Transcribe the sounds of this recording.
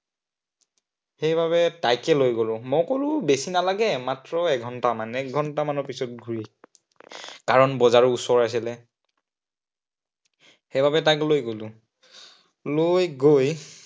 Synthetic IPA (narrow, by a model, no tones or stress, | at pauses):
xejbʱaβɛtajkɛlojɡolʊ̃mojkolʊbesinalaɡɛmatɹɔɛkɡʱɔntamanɛk̚ɡʱɔntamanɔpisɔt̚ɡʱuɹi | kaɹɔnbɔzaɹʊusɔɹajs̬ilɛ | xejbʱabɛtaklojɡolʊ̃ | lojɡoj